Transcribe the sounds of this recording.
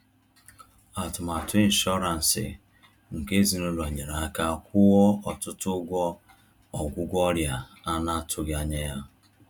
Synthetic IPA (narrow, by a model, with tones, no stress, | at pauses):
a˨tʊ˨ma˨tʊ˦i˦n̩˦ʃɔ˦ɾa˨n̩˨sɪ̰˨ | ŋ̩˨ke˦zi˨nʊ˦la˨ɲe˨ɾa˨a˦ka˦˨kʷʊ˦wɔ˦ɔ˨tʊ˦tʊ˦ɡʷɔ˦ | ɔ˨ɡʷʊ˦ɡʷɔ˦ɾja˨ | a˦na˦tʰʊ˦ɡja˨ɲe˦ja˦